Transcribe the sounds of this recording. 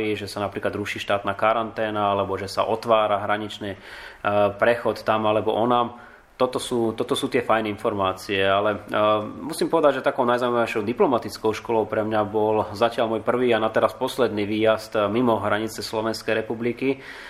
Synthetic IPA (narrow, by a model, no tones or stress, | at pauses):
iʒɛsanapɾiːklad̪ɾuʃiːʃt̪aːt̪naːkaɾant̪ɛːnaalɛbɔʒɛsa̰ʔɔt̪ʋaːɾaɦɾaɲit͡ʃniː | pɾɛxɔt̪ːamalɛbɔ̰ʔɔnaːm | t̪ɔt̪ɔsuːt̪ɔt̪ɔsuːt̪ɪɛfajnɛinfɔɾmaːt͡siɛalɛmusimpɔʋɛd̪aɟʒɛt̪akɔʊnajzauymaʋɛɪʃɔʊd̪iplɔmat̪it͡skɔʊʃkɔlɔʊpɾɛmɲabɔlzacɪalmɔjpr̩ʋiːanat̪ɛɾaspɔslɛd̪niːʋiːjazt̪mimɔɦɾaɲit͡sɛslɔʋɛnskɛjɾɛpubliki